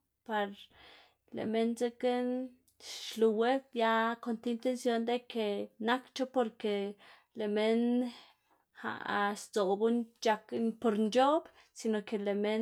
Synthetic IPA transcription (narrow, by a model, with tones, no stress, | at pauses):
pa˧ɾ | lḛ˨me˧nze˦ke˦n | ʃlu˧we˦bja˦ko˧nt̪ːnt̪e˦˧nsjo˧nd̪e˦ke˧˨na˦kt͡ʃo˦po˧ɾke˨ | le˨me˦˧n | ha̰˨st͡so˨bu˦nt͡ʃa˧knpo˧ɾnt͡ʃo˦b | si˧no˨ke˨le˨me˧